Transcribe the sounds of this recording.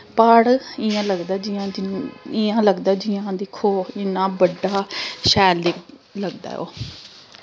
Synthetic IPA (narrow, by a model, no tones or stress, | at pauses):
pəɽɪãːləɡd̪aːd͡ʒɪjãːd͡ʒɪãːləɡd̪aːd͡ʒɪjãːd̪ɪkʰːoːɪnãːbəɖaːʃɛːld̪ek | ləɡd̪a̰ːɛo̰ː